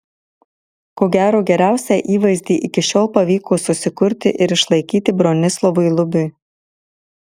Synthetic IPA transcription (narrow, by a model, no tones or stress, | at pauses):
koːɡʲæːɾoːɡʲɛɾʲæˑʊsʲæʔiːʋɐɪzʲd̪ʲiːʔɪkʲɪʃʲoːlˠpɐʋʲiːkoːsʊsʲɪkʊɾʲt̪ʲɪ̰ʔɪɾɪʃlˠɐɪkʲiːt̪ʲɪbɾoːnʲɪslˠɔʋʊɪlˠʊbʲʊ